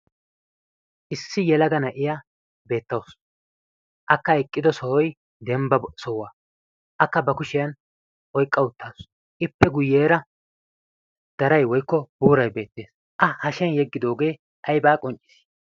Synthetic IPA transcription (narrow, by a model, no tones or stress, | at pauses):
ʔɪsːɪjɛlɐɡɐnɐʔɪja | be̞ːt̪ːɐws | ʔɐkːɐɛkʼːɪd̪ɔsɔhɔj | d̪ɛmbɐsɔwa | ʔɐkːɐbɐkʊʃɪjɐn | ʔɔjkʼːɐʊt̪ːɐs | ʔɪpːɛɡʊjːeːɾɐ | d̪̥ɐɾɐjwɔjkːɔb̥uːɾɐjbe̞ːt̪ːe̞ːs | ʔɐhɐʃɛnjɛɡːɪd̪o̞ːɡe̞ː | ʔɐjbaːkʼɔnt͡ʃʼːɪ̥s